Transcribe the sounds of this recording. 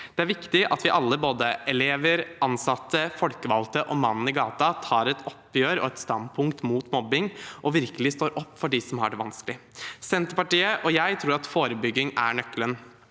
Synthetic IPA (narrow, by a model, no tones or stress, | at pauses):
d̪̥ɛæɾʋɪkt̪ɪʔɑt̪ʋɪʔɑlːəboːd̪əʔɛleːʋəɾʔɑnsɑt̪ːəfɔlkəʋɑlt̪əʔɔmɑnn̩əɪɡɑːt̪ɑt̪ʰɑːɾɛt̪ɔpːjøːɾɔ̰ɛt̪st̪ɑnd̪̚pʰʊŋkt̪muːt̪mɔbːɪŋʔɔʋɪɾkəlɪst̪oːɾʔɔpːfɔɖisɔmhɑ̰ɖɛʋɑnskəlɪsɛnt̪əɾpɑʈiːəʔɔjæɪt̪ʰɾuːɾɑt̪foːɾəbʏɡːɪŋæ̰ɳœkːlən